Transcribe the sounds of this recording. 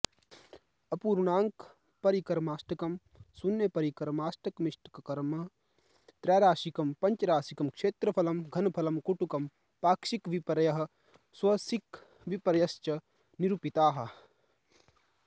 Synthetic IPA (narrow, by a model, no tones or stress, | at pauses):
ɐpuːɾnaːŋk | pɐɾikɐɾmaːsʈɐkɐm | sunːjɐpɐɾikɐɾmaːsʈʰɐkmiʃʈɐ̥kɐkɐɾmɐ | t̪ɾɛːɾaːʃikɐmpɐɲt͡ʃɐɾaːsikɐmkʂeːt̪ɾɐpʰɐlɐmɡʱɐnpʰɐlɐmkuʈukɐm | paːkʃikʋipɐɾɐjɐɦɐ̆ | swɐsik | ʋipɐɾɐjɐst͡ʃɐ | niɾupit̪aːɦɐ